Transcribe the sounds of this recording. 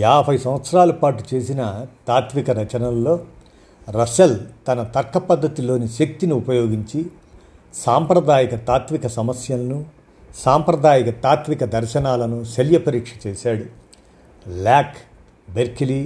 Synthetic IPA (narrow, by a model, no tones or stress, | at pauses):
jaːbʱɐjsɐmʋɐt̪sɐɾaːlɐpaːʈut͡ʃe̞ːsinɐt̪aːt̪ʋikɐɾɐt͡ʃɐnɐlːo̞ː | ɾɐsɐlt̪ɐnɐt̪ɐkːɐpɐd̪ːɐt̪ilo̞ːniʃek̚t̪iniupɐjo̞ːɡiɲt͡ʃi | saːmpɾɐd̪ʱaːjɐkɐt̪aːt̪ʋikɐsɐmɐsjɐlɐnu | saːmpɾɐd̪ʱaːjɐkɐt̪aːt̪ʋikɐd̪ɐɾʃɐnaːlɐnuseljɐpɐɾiːkʂɐ̥t͡ʃeːʃaːɽu | laːk | beɾkili